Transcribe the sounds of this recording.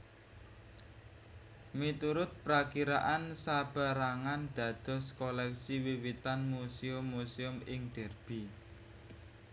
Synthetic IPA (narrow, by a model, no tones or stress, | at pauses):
mit̪uɾʊt̪̚pɾakiɾa̰ʔansab̥a̤ɾaŋanɖ̪̥ä̤d̪̥ɔ̤skɔlɛksiwiwit̪anmuseʊmːuseʊmɪŋɖ̪̥ɛ̤rb̥i